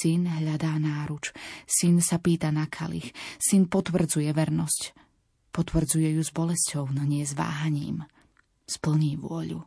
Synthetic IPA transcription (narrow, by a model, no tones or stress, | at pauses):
inɦʎad̪aːnaːɾut͡ʃsinsapiːt̪anakʰa̰lḭxsinpɔt̪ʋr̩d͡zujɛʋɛɾnɔsc | pɔt̪ʋr̩d͡zujɛjuzbɔlɛscɔʊnɦɲɛzʋa̰ːɦaɲḭːm | spl̩ɲiːʋʊɔʎṵ